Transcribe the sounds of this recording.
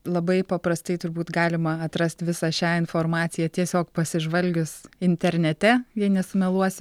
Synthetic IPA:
lˠɐbɐɪpɐpɾɐst̪ɐɪt̪ʊɾbuːt̪ɡɑːlʲɪmɐɐt̪ɾɐsʲt̪ʋʲɪsɑʃʲæːɪnfoːrmɑːt̪sʲɪjɛt̪ʲiɛsʲoːkpɐsʲɪʒʋɐlʲɡʲʊsɪnʲt̪ʲɛɾʲnʲɛt̪ʲɛjiɛnʲɛsʊmʲɛlˠuɔsʲɪ

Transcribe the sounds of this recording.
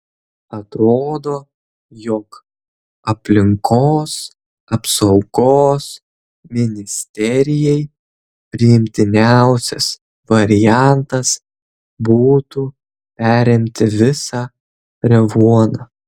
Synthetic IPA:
ɐt̪ɾoːd̪oː | jɔk | ɐpʲlʲɪŋkʰoːs | ɐpsɒʊɡ̥oːs | mʲɪnʲɪsʲt̪ʲɛɾʲɪjɛɪ | pʲɾʲɪɪmʲt̪ʲɪnʲæʊsʲɛ̰s | ʋɐɾʲɪjæˑnt̪ɐs | buːt̪u | pʲæːɾʲɪmʲt̪ʲɪʋʲɪsɑ | ɾʲɛʋuɔnɑ

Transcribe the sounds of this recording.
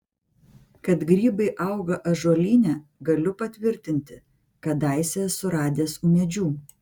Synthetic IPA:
kɐt̪ɡɾʲiːbɐɪʔɐˑʊɡɐʔɐʒoːlʲiːnʲɛːɡɐlʲʊpɐt̪ʲʋʲɪɾʲt̪ʲɪnʲt̪ʲɪ | kɐd̪ɑˑɪsʲesʊɾɑːd̪ʲeːsuːmʲɛd͡ʒʲuː

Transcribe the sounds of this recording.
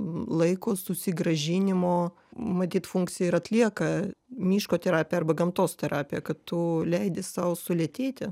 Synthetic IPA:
lˠɐɪkoːsʊsʲɪɡɾɐʒʲɪnʲɪmoː | mɐt̪ʲiːt̪fuŋkt̪sʲɪjɛɪɾɐt̪ʲlʲiɛkɐmʲiːʃkoːt̪ʲɛɾɑːpʲjɛɐrbɐɡɐmt̪oːst̪ʲɛɾɑːpʲɪjɛkɐtt̪ʊlʲɛɪd̪ʲɪssɐʊsʊlʲiɛt̪ʲeːt̪ʲɪ

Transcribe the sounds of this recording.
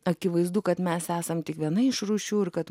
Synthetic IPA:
ɐkʲɪʋɐɪzd̪uːkɐt̪mʲɛsæːsɐmt̪ʲɪkʋʲiɛnɐɪʃruːʃʲuːɪɾkɐt̪

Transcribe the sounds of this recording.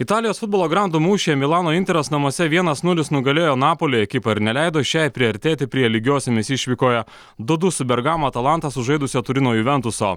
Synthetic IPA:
ɪt̪ɑːlʲɪjoːsfʊd̪boːlˠoːɡɾɑnd̪uːmuːʃʲeːɛmʲɪlˠɑːnoːɪnʲt̪ʲɛɾʲɛsnɐmuɔsʲɛʋʲiɛnɐsnʊlʲɪsnʊɡɐlʲeːjoːnɑːpoːlʲeːjɛkʲɪpɐɪɾnʲɛlʲæˑɪd̪oːʃʲæːjpʲɾʲɪɐɾʲt̪ʲeːt̪ʲɪpʲɾʲiɛlʲɪɡʲoːsʲɛmʲɪsʲiʃʲʋʲiːkoːjɛ | d̪ʊd̪ʊsʊbʲɛɾɡɑːmoɐt̪ɐlˠɑˑnt̪ɐsʊʒɐɪd̪ʊsʲɛt̪ʊɾʲɪnoːjuʋʲɛnt̪ʊso̰ː

